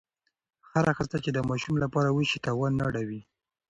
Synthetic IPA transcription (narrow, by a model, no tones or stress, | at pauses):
xaɾaxəst̪at͡ʃed̪əmɑʃumlapɑɾawəʃit̪awɑnːaɽawi